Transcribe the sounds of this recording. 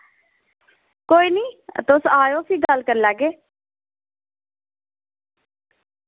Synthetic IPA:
koːiːniːt̪ʊsaːjõːpʰiːɡəlkəɾləɡeː

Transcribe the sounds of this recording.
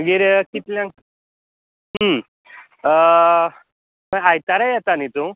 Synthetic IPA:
məɡiːɾkit̪ljãk | ɦə | məɡajt̪aɾajat̪anit̪u

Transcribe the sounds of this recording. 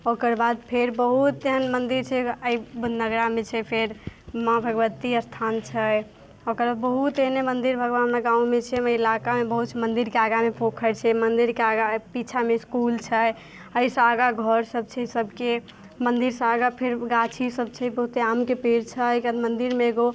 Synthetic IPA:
okəɾbad̪pʰeɾbəɦut̪ːeɦənmənd̪iɾt͡ʃʰɛəibud̪nəɡɾamet͡ʃʰɛpʰeɾmãbʱəɡʋət̪iəst̪ʰant͡ʃʰə | okəɾbad̪bəɦut̪enemənd̪iɾbʱəɡʋanɦəmɾaɡãũmet͡ʃʰɛməilakamebəɦut̪t͡ʃʰmənd̪iɾkeaɡamepʰokʰət͡ʃʰɛmənd̪iɾkeaɡapit͡ʃʰameskult͡ʃʰəj | əisə̃aɡaɡʱəɾsəb̚t͡ʃʰɛsəbʱke | mənd̪iɾsə̃aɡapʰeɾɡat͡ʃʰisəb̚t͡ʃʰɛbəɦut̪eamkepeɾt͡ʃʰəjkad̪mənd̪iɾmeːɡo

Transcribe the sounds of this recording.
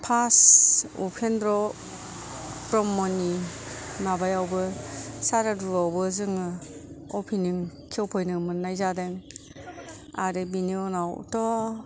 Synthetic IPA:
pʰasṵpʰendɾɔ | pɾɔmːɔnimabajawbɯsaɾaduawbɯzɯŋɯɔpʰiniŋkʰiɔwpʰɔjnɯmɯnːajzadeŋ | a̰ɾebiniɔnawtɔ

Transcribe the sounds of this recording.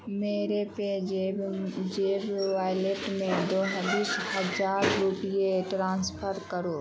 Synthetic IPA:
meːɾepe | d͡ʒeːbʋaːjleʈmẽd̪oːɦəd̪ɪʃhɐd͡ʒaːɾɾupieʈɾãːnspʰəɾkəɾoː

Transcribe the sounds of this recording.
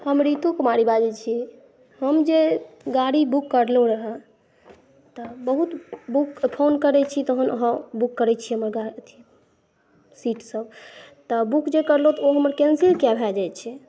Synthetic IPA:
həmɾit̪ũkumaɾibad͡ʒɛt͡ʃʰi | həmd͡ʒeɡaɽibukːəɾloɾəɦə | t̪ɔbəɦut̪bukpʰonkəɾɛt͡ʃʰit̪oɦənə̰ɦə̃bukːəɾɛt͡ʃʰiɦəməɾɡaət̪ʰi | siʈsəbt̪ɔbukd͡ʒekəɾlot̪ɔoɦəməɾkɛnsiɾkjabʱɛld͡ʒajt͡ʃʰɛ

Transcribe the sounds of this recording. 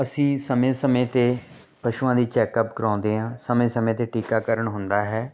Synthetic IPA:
əsĩːsəmẽːsəmẽːt̪eː | pəʃuːãːd̪iːt͡ʃɛːkəpkəɾãːnd̪eːɦãːsəmẽːsəmẽːt̪eːʈiːkaːkəɾəɳɦʊnd̪aːɦɛː

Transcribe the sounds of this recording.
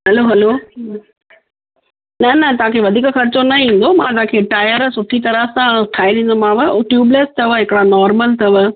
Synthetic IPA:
ɦɐloɦɛloː | nɐnɐt̪ɐʋ̤ãkʰeʋɐd̪ʱiːkxɐɾɪt͡ɕonɐĩːn̆d̪omãt̪ɐãkʰeːʈaːjəɾsʊʈʰit̪ɐɾəɦsãʈʰaːiɾĩːn̆d̪omãːʋəʈjuːblest̪ɐʋəɦɪkɪɽanɔːɾməlt̪ɐʋə

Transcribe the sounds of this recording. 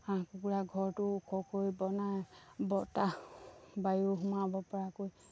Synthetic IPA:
aãkukuɹaɡʱɔɹtʊkʰɔkojbɔnajbɔta | bajuɦumabɔpɔɹakoj

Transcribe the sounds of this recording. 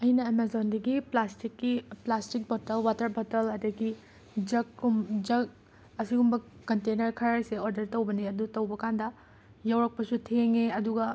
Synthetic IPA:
ɐjnɐemazondɐɡiplastikːiplastik̚bʱotɐlwatɐɾbʱotɐlɐdɐɡi | d͡ʒɐkumd͡ʒɐk̚ | ɐsiɡumbɐkɐntenɐɾkʰɐɾaɾseoɾdɐɾtɐwbɐniɐdutɐwbɐkandɐ | jɐwɾɐk̚pɐsutʰeŋeɐduɡɐ

